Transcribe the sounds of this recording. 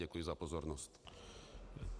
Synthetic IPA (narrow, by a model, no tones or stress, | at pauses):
ɛkujɛzapɔzɔɾnɔst͡ɕ